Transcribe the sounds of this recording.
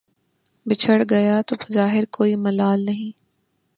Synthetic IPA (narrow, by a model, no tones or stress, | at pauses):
bɪt͡ʃʰəɽɡɐjat̪obɐzaːɦɪɾkoːimɐlaːlnɐɦĩː